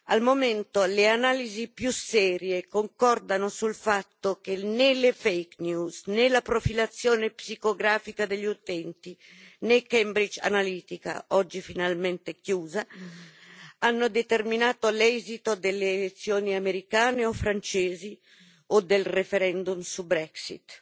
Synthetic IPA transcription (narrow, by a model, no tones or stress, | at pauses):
almoment̪oleanaːlizipjusɛːɾjekoŋkɔrd̪anosulfat̪ːokenelefejknjuːsnelapɾofilat̪sːjoːnepsikoɡɾaːfikad̪eʎːut̪ɛnt̪i | nekɛmbɾid͡ʒa̰naliːt̪ika̰ɔd͡ʒːifinalmɛnt̪ekjuːza | anːod̪et̪erminaːt̪olɛzit̪od̪elːeːlet̪sːjoːniameɾikaːneɔfɾant͡ʃeːzi | od̪elrefeɾɛnd̪umsubɾɛksḭt̪